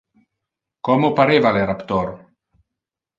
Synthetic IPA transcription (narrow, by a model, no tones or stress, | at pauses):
kɔmopaɾevalerapt̪oɾ